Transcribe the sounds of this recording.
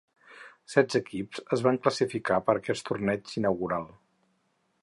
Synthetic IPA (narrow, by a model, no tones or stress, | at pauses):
sɛdd͡zəkipzəzβaŋkləsifikapəɾəkɛst̪urnɛd͡ʒinəwɣuɾalˠ